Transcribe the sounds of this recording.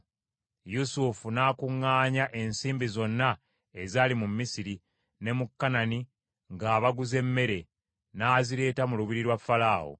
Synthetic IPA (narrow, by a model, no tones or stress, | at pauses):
jusufunaːkuŋːaːɲaʔe̞nsiːmbizo̞nːa | ezaːlimumːisiɾi | ne̞mukːanani | ŋɡaːβaɡuze̞mːe̞ɾe̞ | naːziɾe̞ːtamuluβiɾiɾwafːalaːwo̰